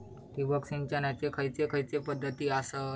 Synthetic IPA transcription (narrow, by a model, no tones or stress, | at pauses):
t̪ibəksĩnt͡ɕanjat͡sekʰəjt͡sekʰəjt͡sepəd̪ʱːət̪iːasə